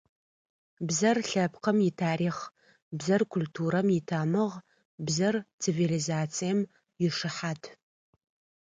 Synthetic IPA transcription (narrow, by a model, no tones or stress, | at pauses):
bzɐrɬɐpʰqʰəmitʰaːɾiːχ | bzɐrkʷʰʊltʰuːɾɐmjitʰaːmɨʁ | bzɐrt͡sʰivilizaːt͡sʰijɛm | jɪʂɨħatʰ